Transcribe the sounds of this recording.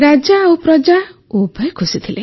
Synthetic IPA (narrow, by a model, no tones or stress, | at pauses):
ɾad͡ʒaːwpɾɔd͡ʒaubʱɔjkʰusit̪ʰile